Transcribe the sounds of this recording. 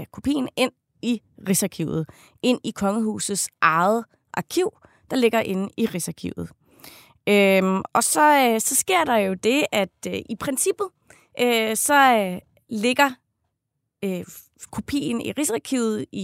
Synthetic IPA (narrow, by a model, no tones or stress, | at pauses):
kʰo̝pʰḭːn̩e̝n̰ | iʁisɑ̈kʰiʊð̩ˠ | ʔe̝n̰ikʰɒ̽ŋəɦṵːsð̩ˠsʔɑ̈ð̩ˠ | ʔɑ̈kʰiʊ̰ | d̥ɑ̈le̝ɡ̥ɐʔe̝nəiʁisɑ̈kʰḭʊ̰ð̩ˠ | øɒ̽sɒ̽sɒ̽sɡ̥e̝ɐ̰d̥ɑ̈jo̝d̥e̝æd̥ʔipʰʁɛnsib̥ð̩ˠ | ʔøsɒ̽ | le̝ɡ̥ɐ | ø | kʰo̝pʰḭːn̩ḭʁisɑkʰiʊ̰ð̩ˠi